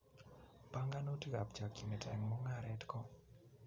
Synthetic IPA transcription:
pa˦ŋɡa˦no˦ti˦ka˨p̚t͡ʃa˨ki˨ne˨tʰɛ˨ŋmɔ˦ŋa˦˨ɾɛ˦tkɔ˦

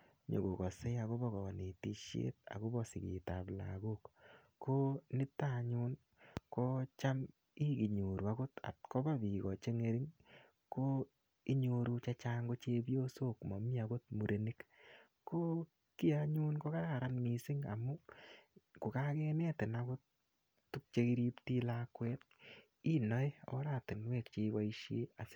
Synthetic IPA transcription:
ɲo̰˨ko˨kɔ˨se˦a˨ko˦bɔ˦kɔ˨ne˨ti˦ʃḛ˦t̚a̰˨ko˦bɔ˨sḭ˨kḭ˨ta̰˨pla̰˨ɡo˦k | kːo˦nɪ˦ta˦˨ɲu˦n | ko˦t͡ʃa˦m | i˦ki˨ɲu˨ɾu˨a˦ko˦ta̰˨tko˦ba˦bi˨kɔ˨t͡ʃe˦ŋe˦ɾi˦ŋ | ko˦ | i˦ɲo˧ɾu˦t͡ʃa˦t͡ʃa˦ŋɡo˦t͡ʃe˦bjo˦so˦kmɔ˨mi˦a˧ko˦t̚mu˨ɾʔe˨ni˦k | ko˦ | ki˦aɲʊ˦nko˦ka˦ɾa˨ɾa˦nmi˨sɪ˦ŋa̰˨mu˦ | ku˨ka˦kɛ˦nɛ˦tɪ˨nako˦t̚ | tːu˦k̚t͡ʃe˧ki˦ɾi˦pti˦lakwɛ˦t̚ | i˦nɔ˦e˦ɔ̰˦ɾa˨tɪ˨nwɛː˦˨kt͡ʃe˧˦wa˦i˦ʃje˦a˨s

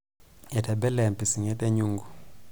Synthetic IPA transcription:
ɛ˨tʰa˨bɛ˦lɛ˨m˨pi˨si˨ŋɛ˦tɛ˦ɲu˦ŋɡu˨

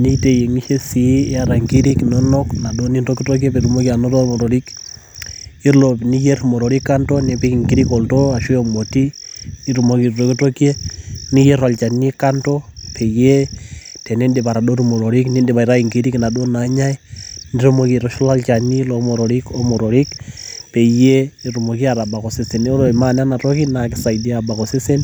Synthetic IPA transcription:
ni˦te˨je˨ŋi˦ʃe˦si˨˦a˦ɾa˨ŋɡi˦ɾi˦knɔ˦nɔ˦kna˨ɗo˦ni˦ndo˦ki˦to˦k̬e˦pe˨ɾumo˦ki˨a˨no˦to˦ɾmɔ˨ɾo˨ɾi˦k | i˦ɾlo˨pni˦je˦ɾmo˨ɾɔ˨ɾi˦kːa˦ntɔ˦ne˨pe˦ki˨ŋɡi˦ɾi˦kɔ˨lto˦a˨ʃu˦jo˨mo˨ti˦ni˦ɾu˨mo˦ki˨ɾto˦ki˦to˦kje˦ni˦je˦ɾwa˨lt͡ʃa˨ni˦ka˦ntɔ˦pʰe˨je˦te˨ne˦nde˨pa˨ɾa˨do˦ɾu˦mo˨ɾo˨ɾi˦kni˦nde˨ba˨i˨ɾa˦i˨ŋɡi˦ɾi˦kɪ˨na˨do˦na˨˦ɲa˦i˦niɾu˦mo˨ki˨ɾɔ˦ʃɔ˦la˦lt͡ʃa˨ni˦lo˦mo˨ɾɔ˨ɾi˦ko˦mo˨ɾɔ˨ɾi˦kpe˨je˦˨ɾu˨mo˨ki˦a˨ɾa˨ba˨kɔ˨se˦se˨no˦ɾo˨ma˦n˦a˦na˨tɔ˦ki˦na˨kɪ˨sa˨idi˦a˨ba˨kɔ˨se˦se˦n

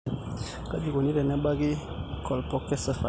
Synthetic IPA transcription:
ka˦di˨ɡo˨ni˦ɾɛ˨nɛ˦ba˦ɡi˦ | kʰɔ˨lpɔ˦kːɛ˦sɛ˦fa̰˨

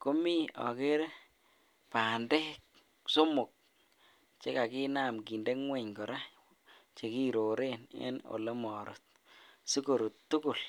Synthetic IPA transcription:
ko˦mi˦ɔ̰˨ke˦ɾ | pa˨nde˦k | so˦mʊ˨k̚ | t͡ʃe˦ka˨ki˦na˨mɡi˨nde˦ŋwe˨ɲkɔ˨ɾa˦ | t͡ʃe˨ki˦ɾo˨ɾe˦˨nḛ˦no̰˨le˦mɔ˨ɾo̰˨t̚ | si˦ko˨ɾu˨ttːu˦ku˨l

